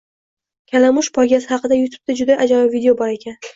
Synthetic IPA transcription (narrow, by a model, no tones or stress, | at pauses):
kʲʰalamʊʃpʰɒɡʲasɪhɑqɨd̪ajʊt̪ʰu̥b̚t̪ad͡ʒʊd̪aʔad͡ʒamavid̪eobɒɾe̞kʲʰan